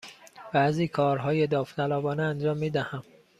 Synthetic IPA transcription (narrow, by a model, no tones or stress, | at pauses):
b̥æziːkʰɒːɾɦɒːjed̪ɒːft̪ʰælɒːbɒːneænd͡ʒɒːmːiːd̪æhæm